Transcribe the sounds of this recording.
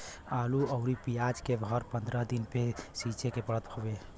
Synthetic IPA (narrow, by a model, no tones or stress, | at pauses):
aluəʊɾipijad͡ʒkebʱəɾpənd̪ɾəɦd̪inpesit͡ʃekepəɽət̪hobe